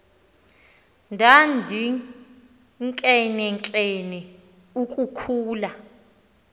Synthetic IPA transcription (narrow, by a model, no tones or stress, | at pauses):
ndʱandʱi | ŋkʼɛnɛŋt͡ɬʼɛnɛ | ukʼukʰuːla